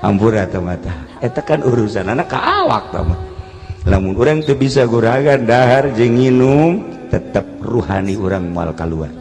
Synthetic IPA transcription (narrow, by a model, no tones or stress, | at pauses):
a̰mpuɾat̪amat̪aet̪akanuɾusananaka̰ʔawa̰k̚t̪a̰ma | lamunuɾaŋt̪ubisaɡuɾaɡandaɦard͡ʒəŋinumt̪ət̪əp̚ruhaniuɾaŋmoa̰lkalua̰r